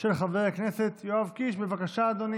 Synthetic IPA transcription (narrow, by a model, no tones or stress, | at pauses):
ʃelχaveakneset̪joavkiʃbevakaʃaːd̪oni